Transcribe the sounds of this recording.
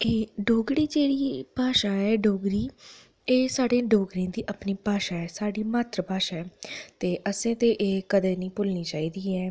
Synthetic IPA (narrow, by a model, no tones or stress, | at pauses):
eːɖoːɡɾiːd͡ʒeːɽiːpaːʃaːɛːɖoːɡɾiː | eːsaːɖeːɖoːɡɾiẽːd̪iːʔapniːpaːʃaːɛːsaːɖiːmaːt̪ɾəpaːʃaːɛːt̪eːʔəsẽːt̪eːʔeːkəd̪eːnĩːpʊlniːt͡ʃaːiːd̪iːɛː